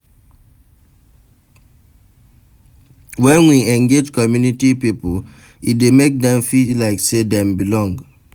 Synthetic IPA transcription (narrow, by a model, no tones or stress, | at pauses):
wɛ̃nwiɛ̃ŋɡed͡ʒkɔmjunitipipo | idemek̚dɛ̃mfilaɪksedɛ̃mbilɔ̃ŋɡ